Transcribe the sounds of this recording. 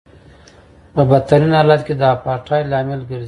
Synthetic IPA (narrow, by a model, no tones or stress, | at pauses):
pəbat̪aɾinhɑlat̪ked̪əapɑʈʰɑjlɑmɪlɡəɾz